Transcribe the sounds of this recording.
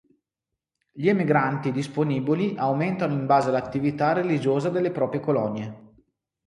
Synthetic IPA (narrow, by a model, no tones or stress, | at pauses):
ʎiemiɡɾant̪id̪isponiːbiliʔawment̪anoimbaːzelat̪ːivit̪arelid͡ʒoːzad̪elːepɾɔːpɾjekolɔnje